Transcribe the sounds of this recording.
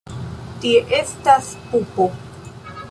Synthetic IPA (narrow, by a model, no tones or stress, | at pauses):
tieʔestas | pupo